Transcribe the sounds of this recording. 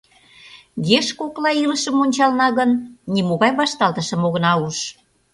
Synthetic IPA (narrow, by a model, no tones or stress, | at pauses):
ɣeʃkoklɑiləʃə̆monʲt͡ɕɑlnɑɣənːimoɣɑjβɑʃt̪ɑlt̪əʃə̆moɣə̆nɑuʃ